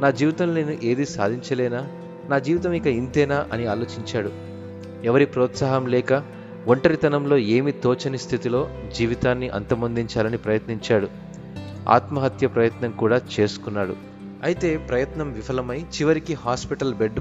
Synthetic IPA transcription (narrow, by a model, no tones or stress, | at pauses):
naːd͡ʒiːʋit̪ɐmninuʔe̞ːd̪isa̰ːd̪ʱiɲt͡ʃɐlɛːnaː | naːd͡ʒiːʋit̪ɐmikɐint̪ɛːnaːʔɐniaːlo̞ːt͡ʃiɲt͡ʃaːɽu | ɛʋɐɾipɾɔːt̪saːɦɐmlɛːkɐ | ʋoɳʈɐɾit̪ɐnɐmlo̞ːe̞ːmit̪oːt͡ʃɐnist̪ʰit̪ilo̞ːd͡ʒiːʋit̪aːnːiʔɐ̰nt̪ɐmond̪iɲt͡ʃaːlɐnipɾɐjɐt̪niɲt͡ʃaːɽu | a̰ːt̪mɐɦɐt̪jɐpɾɐjɐt̪nɐŋkuːɽaːt͡ʃe̞ːsu̥kunːaːɽṵ | ɐjit̪e̞ːpɾɐjɐt̪nɐmʋifɐlɐmɐjt͡ʃiʋɐɾikihaːspiʈɐlbeɖ